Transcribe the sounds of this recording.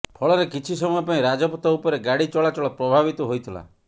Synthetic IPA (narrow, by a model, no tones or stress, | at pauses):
pʰɔɭɔɾekit͡ʃʰisɔmɔjɔpaĩɾad͡ʒɔpɔt̪ɔupɔɾeɡaɽit͡ʃɔɭat͡ʃɔɭɔpɾɔbʱabit̪ɔɦojt̪ʰila̰